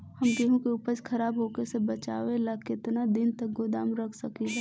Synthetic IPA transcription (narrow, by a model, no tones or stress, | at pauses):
hɐmd͡ʒeɦũkeʊpəd͡ʒkʰɐɾaːbɦoːkesebət͡ʃa̰ːʋelakɪt̪nad̪ɪnt̪ək̚ɡod̪aːmɾəkʰsɐkiɦɛ